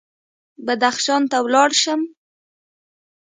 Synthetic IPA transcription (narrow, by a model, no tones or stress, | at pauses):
bad̪axʃɑnt̪awlɑɽʃəm